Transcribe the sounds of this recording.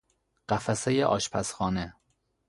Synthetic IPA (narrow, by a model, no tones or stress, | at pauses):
ɢ̥æfæsejeʔɒ̰ːʃpʰæsxɒːne